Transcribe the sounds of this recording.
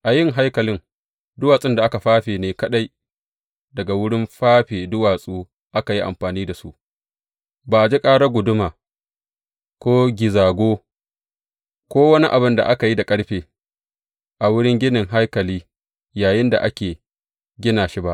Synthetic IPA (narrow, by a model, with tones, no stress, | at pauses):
ʔa˨jɪ˦˨ŋɦa˦jkɐ˨lɪ˦ŋ | dʊ˦waː˨sʼɪ˦nda˨ʔa˦ka˨ɸaː˦ɸeː˨neː˨kɐ˦ɗa˦j | dɐ˨ɡa˨wʊ˦ɽɪ˦mɸaː˦ɸeː˨dʊ˦waː˨sʼuː˦ | ʔa˦ka˨ji˦ʔa̰˨mɸaː˨niː˦da˨su˦ʔ | baː˨ʔa˨d͡ʒi˦kʼaː˦ɽa˦ɡʷʊ˨dʊ˦maː˨ | kʷoː˦ɡʲɪ˨zaː˨ɡʷoː˦ | kʷoː˦wɐ˦ni˦ʔa˨bɪ˦nda̰˨ʔa˦ka˨ji˦da˨kʼɐ˦ɽɸeː˨ | ʔa˨wʊ˦ɽɪ˦ŋɡʲɪ˦nɪ˨ŋɦa˦jkɐ˨liː˦ | jaː˨jɪ˦nda̰˨ʔa̰˦kʲeː˨ | ɡʲɪ˦naː˨ʃi˦ba˦ʔ